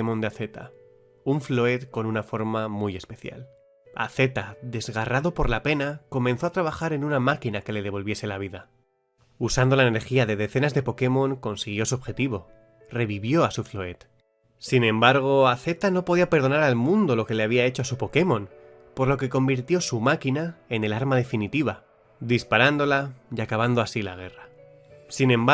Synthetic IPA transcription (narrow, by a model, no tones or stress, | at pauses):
emo̞nd̪eaθe̞t̪a̰ | uɱfloe̞t̪ko̞nunafo̞ɾmamuje̞spe̞θja̰l | a̰θe̞t̪aðe̞zɣaraðo̞po̞ɾlape̞nako̞mẽ̞nθo̞at̪ɾaβ̞axaɾe̞nunamakinake̞le̞ð̞e̞βo̞lβje̞se̞laβ̞iða | usand̪olaeneɾxiaðe̞ðe̞θe̞nazðe̞po̞ke̞mõ̞ŋko̞nsiɣ̞jo̞suo̞βxe̞t̪iβ̞o̞ | re̞βiβjo̞asufloe̞t̪ | sinẽ̞mbaɾɣ̞o̞aθe̞t̪ano̞po̞ðiape̞ɾð̞o̞naɾalmũnd̪o̞lo̞ke̞leaβiae̞t͡ʃoasupo̞ke̞mõ̞n | po̞ɾlo̞ke̞ko̞mbiɾt̪jo̞sumakinae̞ne̞laɾmað̞e̞finit̪iβa | d̪ispaɾand̪o̞lajakaβand̪o̞asila̰ɣ̞e̞ra | sinẽ̞m